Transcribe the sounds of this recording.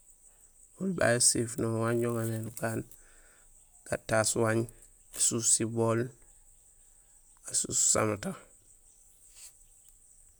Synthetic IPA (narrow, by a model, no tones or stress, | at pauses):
ulba̰josifnowaɲɟoŋamenukaːn | ɡ̥atːasuwaɲ | asusibol | asu̥sa̰mata